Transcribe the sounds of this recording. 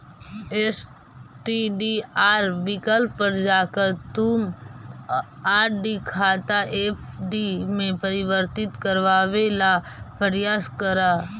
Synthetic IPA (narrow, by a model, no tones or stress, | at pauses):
eːs | ʈiɖiaːɾʋɪkəlppəɾd͡ʒaːkəɾt̪um | aːɾɖikʰaːt̪aʔepʰɖimẽpəɾɪʋəɾt̪ɪt̪kəɾʋaːʋelapəɾjaːskəɾaː